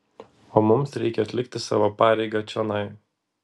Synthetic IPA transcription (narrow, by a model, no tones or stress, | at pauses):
oːmʊmsɾʲɛɪkʲɛɐt̪ʲlʲɪk̚t̪ʲɪsɑ̰ːʋoːpɑːɾʲɛɪɡɑt͡ʃʲɛnɐɪ